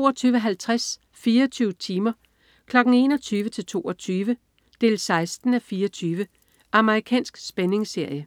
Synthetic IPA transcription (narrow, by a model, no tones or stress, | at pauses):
o̝ːɒt͡sʰyːʊʋəɦælt͡sʰʁas | fiːɐɒt͡sʰyːʊət͡sʰiːmɐ | kʰlɒ̽ɡ̥n̩e̝̰ːnɒt͡sʰyːʋət͡sʰe̝lt͡sʰo̝̰ːɒt͡sʰyːʋə | d̥e̝ːlsɑ̈ɪsd̥n̩æfiːɐɒt͡sʰyːʋə | ʔɑ̈məʁikʰɛ̰ːnsɡ̥sb̥ene̝ŋse̝ɐ̰jə